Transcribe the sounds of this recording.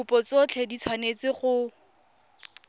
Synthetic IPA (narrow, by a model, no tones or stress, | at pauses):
ʊpɔt͡sot͡ɬʰɛdit͡sʰwanet͡sɪχʊ